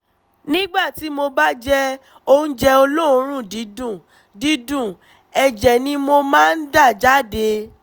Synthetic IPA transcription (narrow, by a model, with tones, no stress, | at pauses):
nĩ˦ɡ͡ba˦˨ti˨˦mo˧ba˦d͡ʒɛ˦ | o˧ũ˦d͡ʒɛ˧o˧lo˦o˨˧˦ɾ̃ũ˦˨di˨˦dũ˦˨ | di˦dũ˦˨ | ɛ˨d͡ʒɛ˨nĩ˧mo˧mãː˦˧n̩˦da˦˨d͡ʒa˦˨de˧